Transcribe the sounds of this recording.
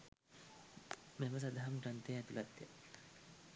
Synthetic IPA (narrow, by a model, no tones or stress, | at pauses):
meməs̬ad̪aɦamʈant̪ejɛt̪ulat̪ːja̰